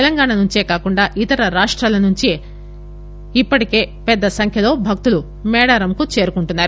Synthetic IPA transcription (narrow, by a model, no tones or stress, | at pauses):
ɛlɐŋɡaːɳɐnuɲt͡ʃeːkaːkuɳɖaːʔit̪ɐɾɐɾaːʂʈɾaːlɐnuɲt͡ʃe | ipːɐʈike̞ːpɛd̪ːɐsɐŋkʰjɐlo̞ːbʱɐk̚t̪ulu | mɛːɽaːɾɐmkut͡ʃe̞ːɾukuɳʈunːaːɾu